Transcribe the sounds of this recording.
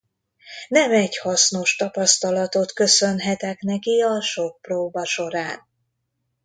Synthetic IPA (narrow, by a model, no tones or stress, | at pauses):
nɛmɛɟhɒsno̞ʃt̪ɒpɒst̪ɒlɒt̪o̞t̪kø̞sønɦɛt̪ɛkn̪ɛkiɒʃo̞k̚proːbɒʃo̞ɾaːn